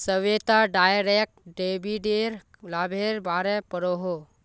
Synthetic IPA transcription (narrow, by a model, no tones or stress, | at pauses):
səʋjet̪aɖaːjɾek̚ʈɖeːbiɖeːɾ | laːbʱeːɾbaːɾɛpəɾoɦo